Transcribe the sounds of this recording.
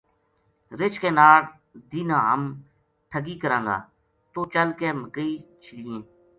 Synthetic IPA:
ɾɪt͡ʃkeːnaːɽ | d̪iːnãːə̰m | ʈʰəɡiːkəɾãːŋɡa̰ː | t̪oːt͡ʃəlkeːməkəiːt͡ʃʰɪliːẽː

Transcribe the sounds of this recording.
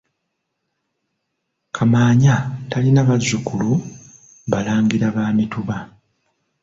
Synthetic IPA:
kʰamaːɲatalinaβazːukulu | βalaːŋɡiɾaβaːmituβa

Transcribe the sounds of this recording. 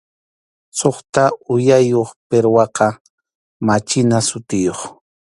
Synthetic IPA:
soχt̪aʊjajoχpeɾwɑqɑ | mat͡ʃɪnasʊt̪ɪjoχ

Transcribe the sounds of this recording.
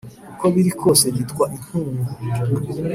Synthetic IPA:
kukoβiɾikʰo̞seβitkwaʔin̥uːŋɡuiɲd͡ʒuɾu

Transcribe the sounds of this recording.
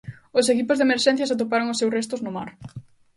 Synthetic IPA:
ʊsekipʊzðemeɾʃɛ̃n̟θjasat̪̬opaɾoŋʊsːewrest̪ʊznʊma̰ɾ

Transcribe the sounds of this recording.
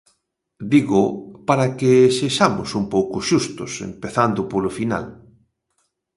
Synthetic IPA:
d̪iɣʊpaɾakeseʃamʊsumpowkʊʃust̪ʊsḛmpeθand̪ʊpolʊfina̰l

